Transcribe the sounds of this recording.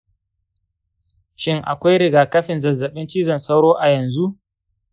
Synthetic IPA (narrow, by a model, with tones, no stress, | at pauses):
ʃɪ˦ŋʔa̰˨kʷa˦jɽɪ˨ɡaː˨kɐ˦ɸɪ˨nzɐ˨zːɐ˨ɓɪ˦nt͡ʃiː˦zɐ˨nsa˦wɽoː˦ʔa˨jɐ˨nzu˦ʔ